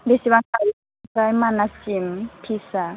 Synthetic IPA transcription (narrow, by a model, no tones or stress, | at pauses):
lesiβakawi | kaimanasim̩pʰisa